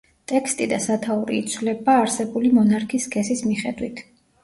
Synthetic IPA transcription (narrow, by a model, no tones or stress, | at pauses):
t̪ʼɛkʰst̪ʼid̪asat̪ʰauɾḭːt̪sʰwvlɛbaːɾsɛbulimɔnaɾkʰiskʰɛsismiχɛ̰d̪wit̪ʰ